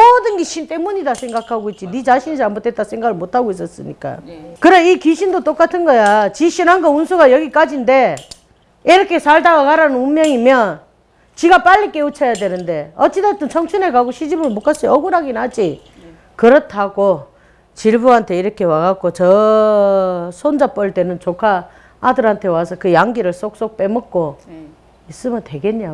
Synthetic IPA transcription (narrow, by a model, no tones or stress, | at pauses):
mʌdɯnɡiɕʰint͈e̞muɲidasʰe̞ŋɡakʰaɡoit̚t͡ɕ͈init͡ɕaɕʰinid͡ʑamotʰe̞t͈asʰe̞ŋɡaɡɯɭmotʰaɡois̬͈ʌs͈ɯ̰ɲḭk͈a̰kɯɾeikiɕʰindot͈ok͈atʰɯnɡʌjat͡ɕiɕʰinaŋɡaunsʰuɡajʌɡik͈ad͡ʑinde̞ | iɾʌkʰe̞sʰaɭdaɡakaɾanɯnummjʌŋimjʌn | t͡ɕiɡap͈aʎːik͈e̞ut͡ɕʰʌjadwe̞nɯnde̞ʌt͡ɕ͈idat͈ɯnt͡ɕʰʌŋt͡ɕʰune̞kaɡoɕʰid͡ʑibɯɭmok͈ʰas͈ʌʌɡuɾaɡinad͡ʑi | kɯɾʌtʰaɡo | t͡ɕiɭbuɦantʰe̞iɾʌkʰe̞waɡakot͡ɕʌ | sʰond͡ʑap͈ʌɭt͈e̞nɯnt͡ɕokʰaː | dɯɾɦantʰe̞wasʰʌkɯjaŋɡiɾɯɭs͈ok̚s͈ok̚p͈e̞mʌk̚k͈o | is͈ɯmjʌntwe̞ɡe̞ɲɲa